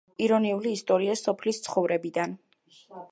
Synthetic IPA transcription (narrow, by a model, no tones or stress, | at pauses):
iɾɔniuliːst̪ʼɔɾiasːɔpʰlist̪sʰχɔvɾɛbid̪an